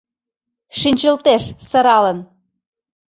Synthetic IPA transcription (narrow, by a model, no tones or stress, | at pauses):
ʃinʲt͡ɕə̆lt̪eʃsɤ̆ɾɑlən